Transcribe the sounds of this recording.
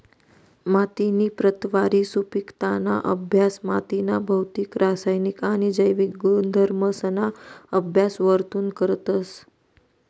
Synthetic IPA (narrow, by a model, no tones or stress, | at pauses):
mat̪inipɾət̪ʋaɾisupikt̪ana̰ʔə̰bʱjasmat̪inabʱəwt̪ikɾasajnikanid͡ʒəjʋikɡd̪ʱəɾməsənaəbʱjasʋəɾt̪uːnkəɾət̪əs